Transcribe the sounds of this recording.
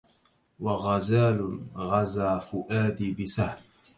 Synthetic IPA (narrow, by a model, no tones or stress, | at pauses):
waɣazaːlʊɣazaːfʊʔaːd̪iːbɪsahm